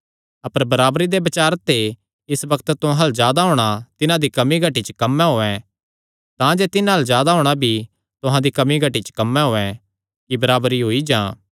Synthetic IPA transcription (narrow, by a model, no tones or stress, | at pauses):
ɐpəɾbɐɾaːbɾid̪ebɐt͡ʃaːɾt̪ːe | ɪsbɐkət̪t̪ʊɦãɦɐlzjaːd̪aɦoːɽ̃at̪ɪnãd̪ikɐmiɡʱɐʈit͡ʃkɐmːɛ̃ɦoːɛ̃ | t̪ãd͡ʒeːt̪ɪnãɦɐlzjaːd̪aɦoːɽ̃abʱi | t̪ʊɦãd̪ikɐmiɡʱɐʈːit͡ʃə̥kɐmːɛ̃ɦoːɛ̃ | kibɐɾaːbɾiɦoːid͡ʒãː